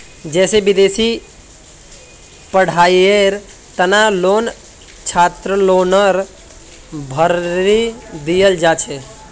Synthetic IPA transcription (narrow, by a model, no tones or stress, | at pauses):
d͡ʒɛːsebɪd̪eːsi | pəɽ̤aːjeɾ | t̪ənaloːn | t͡ʃʰaːt̪ɾəloːnəɾ | bʱəɾid̪ijəld͡ʒaːt͡ʃʰe